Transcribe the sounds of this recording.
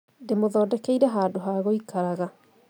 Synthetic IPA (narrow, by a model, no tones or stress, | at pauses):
demoðɔːdɛkeiɾɛɦaːdoɦaːɣoikaɾaɣa